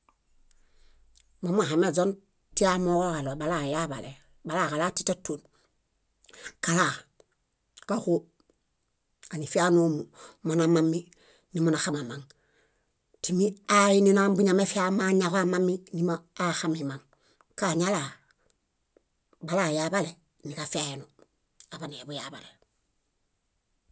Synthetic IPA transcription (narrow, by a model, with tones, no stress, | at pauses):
mo˨˦mu˦a˨xa˨me˨zo˦n | ti˦a˦lmo˦ko˦ka˨lo˨ba˨la˦˨ja˦ba̰˨le˨ | ba˨la˦ka˨la˦ti̥˦ta˦tːu˨n | ka˨la˦˨ | ka˦ku˦ | a˨ni˨fi˦a˦no˦mu˨mo˨na˨ma˦mːi˦ | ni˨mo˨na˨xa˦ma˨ma˨ŋ | timi˦ainina˦mbu˦ɲa˨me˦fi˦amaɲaβa˦ma˦mːi˦ni˦maːxamimaŋ | kaɲa˦la | ba˨la˨jabale˨ | ni˨kafeno | a˨ba˨ne˨bu˨jabale